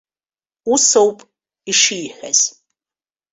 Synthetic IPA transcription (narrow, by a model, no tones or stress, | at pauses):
usowpʼ | iʂiːħʷɐ̰z̥